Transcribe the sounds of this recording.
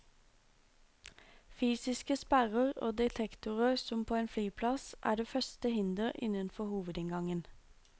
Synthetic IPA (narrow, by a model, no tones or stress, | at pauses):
fyːsɪskəspæʁəʁo̰ːd̪ɛt̪ʰɛkt̪ʊʁəʁsɔmpʰoːeːnflyːpʰlɑsʔæ̰ːɖeːfœst̪əhɪnd̪əʁɪ̰nənfɔhuːʋəd̪ɪŋɡɑŋən